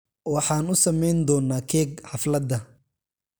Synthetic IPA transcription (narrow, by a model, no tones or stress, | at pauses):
wɑħɑːnʊsɐmɛjnd̪ɔːnːaːkʰɛːɡħɑflɐd̪ɐ